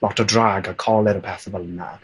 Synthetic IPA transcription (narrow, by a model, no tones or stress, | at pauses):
lɔtədraɡəkʰɔlɛɾəpʰɛθəvəlˠəna̰